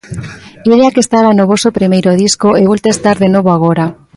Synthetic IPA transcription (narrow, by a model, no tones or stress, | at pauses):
iðeakest̪alanoβosopɾimejɾoðiskoeβolt̪est̪aɾðenoβoaɣ̞oɾa